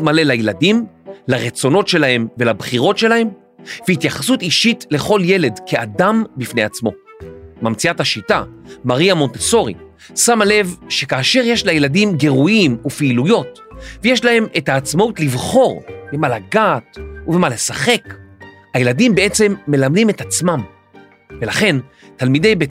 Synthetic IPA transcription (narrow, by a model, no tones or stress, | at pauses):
male̞lajeladimlaʁet͡so̞no̞tʃe̞lahe̞mve̞labχiʁo̞tʃe̞lahe̞m | vehitjaχḁsutiʃitle̞χo̞lje̞le̞dkʰe̞adambifne̞jat͡smo̞̰ | mamt͡siathaʃitamaʁiamo̞nt̪eso̞ʁḭ | samale̞vʃe̞kaːʃe̞ʁje̞ʃlajeladimɡe̞ʁuimupiilujo̞t | veje̞ʃlahe̞me̞thaːt͡smautlivχo̞ʁbemalaɡaːtuvemale̞saχe̞k | haje̞ladimbee̞t͡se̞mːe̞lamdime̞tat͡smam | ve̞laχe̞n | talmide̞jbe